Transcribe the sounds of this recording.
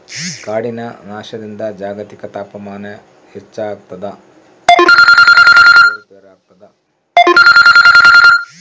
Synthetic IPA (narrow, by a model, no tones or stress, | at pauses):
kaːɽinɐnaːʃɐd̪ind̪ɐd͡ʒaːɡɐt̪ikɐt̪aːpɐmaːnɐ | het͡ʃːaːɡ̚t̪ɐd̪ɐ | ɐud̪ɐɾaːɡ̚t̪ɐd̪ɐ